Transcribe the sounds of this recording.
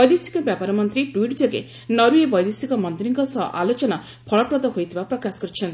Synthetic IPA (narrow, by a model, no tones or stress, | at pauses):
bɔjd̪esikɔbjapaɾɔmɔnt̪ɾiʈwiʈd͡ʒɔɡḛ | nɔɾujebɔjd̪esikɔmɔnd̪iɾiŋkɔsɔɦɔ̰ʔalot͡ʃɔna | pʰɔɭɔpɾɔd̪ɔɦojt̪ʰibapɾɔkasɔ̥kɔɾit͡ʃʰɔnt̪